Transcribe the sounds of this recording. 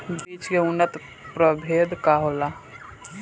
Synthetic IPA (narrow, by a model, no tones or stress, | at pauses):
biːt͡ʃkeʊnːət̪ | pɾəbʱeːd̪kaɦola